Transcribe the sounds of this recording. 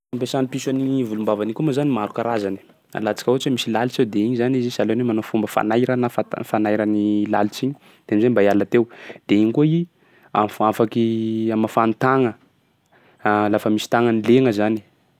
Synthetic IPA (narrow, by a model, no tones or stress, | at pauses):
ampesanipisanivulumbavanikʲumazanimaɾukaɾazani̥ | a̰lat͡si̥kʲaut͡ʃimisilalit͡sewd̪eiɲizanizisalonemanofumbəfa̰najɾənafafanajɾənila̰lit͡siɲi̥ | d̪̥eamizambaialat̪ewd̪̥eiɲikui | amafakiaməfanut̪aŋə | lafəmisi̥t̪aŋənileŋəzani̥